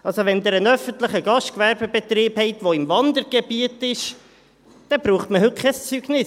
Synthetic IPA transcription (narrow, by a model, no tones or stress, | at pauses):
ɑlsoʋɛnd̪əɾənœfəntləχəɡɑʃtkvæɾbəbet̪ɾiːphɛɪt̪ʋoɪmvɑnd̪əɾɡ̥ebiətɪʃ | d̥ɛb̥ɾuːχtməɦɵt̚kʰɛst͡syɡ̥nɪs